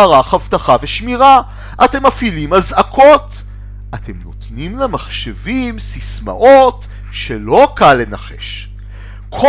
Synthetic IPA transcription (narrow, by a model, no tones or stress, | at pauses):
aʁaχavtaχaveʃmiʁa | ʔate̞mafilimazakʰo̞t | ʔate̞mno̞tnimlemaχʃevimsisma̰ʔot | ʃelo̞kalːe̞naχe̞̰ʃ | kʰo